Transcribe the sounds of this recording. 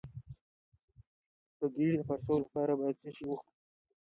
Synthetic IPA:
k̪əɡiɽd̪əfaɾsolapɑɾabɑjad̪seʃiwuxt̪i

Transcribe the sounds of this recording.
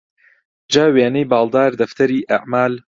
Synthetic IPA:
d͡ʒaːweːnɐjbɑːlˠd̪aːɾd̪ɐft̪ʰɐɾiːʔaʕmaːl

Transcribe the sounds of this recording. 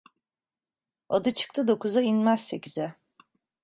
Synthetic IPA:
ad̪ɯt͡ʃʰɯ̥k̚t̪ʰɯd̪o̞kuzainmæz̥se̞cizɛ

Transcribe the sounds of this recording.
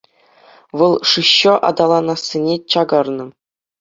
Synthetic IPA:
ʋɤlˠʂɯɕːɤ̆ʔɑ̰d̪ɑlˠɑnɑsʲːenʲet͡ɕɑɡɑrnɤ̆

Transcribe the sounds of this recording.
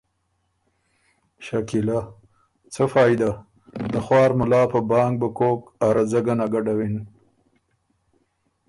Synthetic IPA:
ʃakila | t͡səfɑːjd̪a | d̪əxwɑːɾmʊlɑːpəbɑːŋɡ̚bəkokaɾad͡zaɡanaɡaɖawin

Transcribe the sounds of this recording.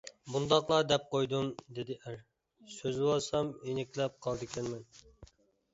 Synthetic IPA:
bund̪ɑqlˠɑd̪ɛp̚qojd̪umd̪ed̪ɪʔæɾ | søzɪwolˠsɑmenɪkʲlɛp̚qʰɑlˠd̪ɪkʲʰɛnmɛn

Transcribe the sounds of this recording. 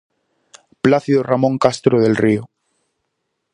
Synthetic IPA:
plaθiðoramõŋkast̪ɾoð̞elrio

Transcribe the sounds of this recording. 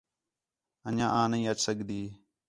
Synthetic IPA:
ənãːʔãːnəĩːət͡ʃsəɠd̪iː

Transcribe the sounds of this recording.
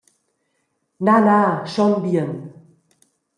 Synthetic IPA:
nanaʃɔnbiən

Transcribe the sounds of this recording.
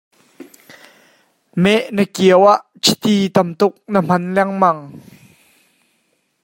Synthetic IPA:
mɛʔnəkiəwaʔt͡sʰit̪it̪ɐmt̪ʊk̚nəm̥ɐnlɛŋmɐŋ

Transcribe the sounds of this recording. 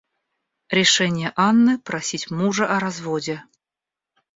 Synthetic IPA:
ɾʲɪʂɛnʲɪjəʔanːɨpɾɐsʲitʲmuʐəʔɐɾazvodʲɪ

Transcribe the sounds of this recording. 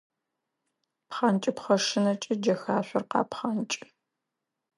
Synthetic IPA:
pχɐnt͡ʃʼɪpχɐʂɨnɐt͡ʃʼɪd͡ʒɐxaːɕʷɔrqɑ̰ːpχɐnt͡ʃʼ

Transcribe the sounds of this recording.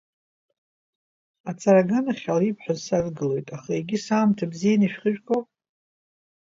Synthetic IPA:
at͡sʰʼaɾaɡanaχʲalipʰħʷᶣazsarʼɡɨlo̞jtʼaχaeɡʲɪsaːmtʰabzijaniʃᶣχəʒᶣkʰʼow

